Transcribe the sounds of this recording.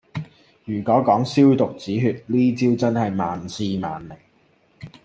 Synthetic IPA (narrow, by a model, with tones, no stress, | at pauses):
jyː˨˩kɔː˨˥kɔː˨˥ŋsiː˥wt̪ʊ˨k̚t͡siː˨˥ɦyː˧t̚liː˥t͡si˥wt͡sɐ˥nhɐ˨jmaː˨nsiː˧ma̰ː˨nle˨˩ŋ